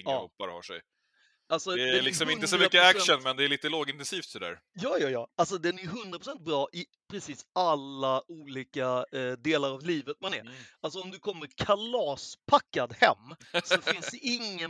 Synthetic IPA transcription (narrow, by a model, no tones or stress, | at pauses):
ɪŋɑːɔpːa̰ɾha̰ʂɛ̰j | alsɔɛlɪksɔmɪnt̪əsɔmʏkːəækʃənmɛnd̪ɛæɾɭiːt̪əloːɡɪnt̪ɛnsiːft̪sɔd̪æ̰ːɾjɑːjɑːjɑːalsɔd̪ɛnæɾɦɵnd̪ɾapʰɾ̥ʊsɛnt̪̚bɾɑːʔɪ | pʰɾɛsiːsalːauːliːkad̪eːlaɾavliːvət̪manæ̰ɾals̬ɔɔmd̪ɵkʰɔmːəɾkʰalɑːspʰakːad̪hɛmːsɔfɪnsd̪ɛɪŋːə